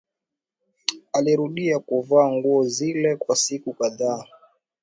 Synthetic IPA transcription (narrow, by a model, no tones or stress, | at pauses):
aliɾuɗiakuvaːŋɡuɔzilɛkwasikukaðaː